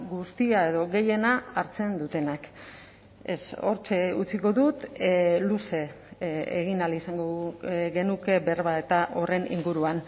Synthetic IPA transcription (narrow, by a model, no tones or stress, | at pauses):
ɡust̪iae̞ðo̞ɣe̞je̞naːɾt͡se̞nd̪ut̪e̞nak | ḛso̞̰ɾt͡ʃe̞ut͡siko̞ðut̪luse̞ | ḛɣinalisaŋɡoɣe̞nuke̞be̞ɾβae̞t̪aʔo̞re̞nḭŋɡuɾuan